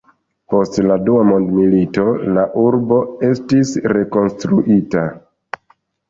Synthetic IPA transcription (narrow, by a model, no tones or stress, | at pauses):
po̞stladuamo̞ndmilito̞laʔuɾbo̞e̞stisɾe̞ko̞nstɾuʔita